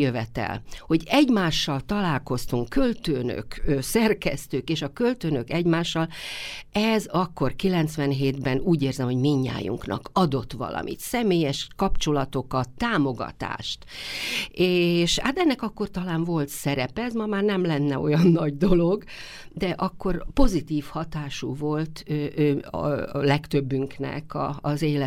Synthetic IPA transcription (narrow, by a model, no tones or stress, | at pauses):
øvɛt̪ɛ̰lho̞ɟɛɟmaːʃːɒlt̪ɒlaːlko̞st̪uŋkːølt̪øːnø̰køsɛrkɛ̰st̪øːkeːʃɒkø̞lt̪øːnøkɛɟmaːʃːɒlɛzɒkːo̞rkilɛnt̪sʋɛnɦeːd̪bɛnuːɟeːrzɛmho̞ɟmiɲːa̰ːjṵŋknɒ̰kɒd̪o̞t̪ʋɒ̰lɒ̰mʔḭt̪sɛmeːjɛʃkɒpt͡ʃo̞lɒt̪o̞kɒt̪ːaːmo̞ɡɒ̰t̪a̰ːʃt̪ | eːʃha̰ːt̪ɛnːɛkɒkːo̞rt̪ɒlaːɱvo̞lt̪sɛɾɛpɛɛzmɒmaːrnɛmlɛnːɛo̞̰jɒnːɒɟd̪o̞lo̞ɡ | d̪ɛʔɒkːo̞rpo̞zit̪iːfhɒt̪aːʃuvo̞lt̪øʔøːlɛkt̪øbːyŋknɛ̰kɒ̰ːzeːlɛ